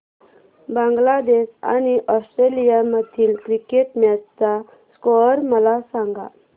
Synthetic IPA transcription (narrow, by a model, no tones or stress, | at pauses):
bãŋɡlad̪esa̰ñiʔɔsʈɾelijaməd̪ʱiːlkɾikeʈmjat͡sa | skɔɾməlasãŋɡa̰